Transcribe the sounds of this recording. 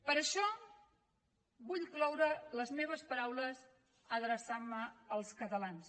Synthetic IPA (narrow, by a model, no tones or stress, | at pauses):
pəɾəʃɔ | buʎklɔwɾələzmeβ̞əspəɾawləz | əðɾəsamːəəlˠskət̪əlans